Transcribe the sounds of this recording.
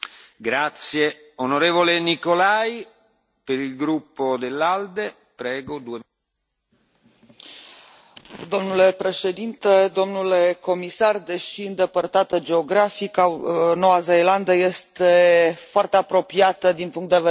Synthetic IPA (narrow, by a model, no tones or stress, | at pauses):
ɡɾat̪sje | onoɾeːvolenikolaːj | peɾilɡɾupːod̪elːald̪e | pɾɛːɡod̪ue | d̪o̞mnule̞pɾe̞ʃe̞d̪int̪ed̪o̞mnuleko̞misard̪eʃiɨnd̪e̞pərt̪at̪əd͡ʒe̞oɡɾafikanowazejland̪əjest̪efoart̪eapɾo̞piat̪əd̪inpuŋkt̪d̪eve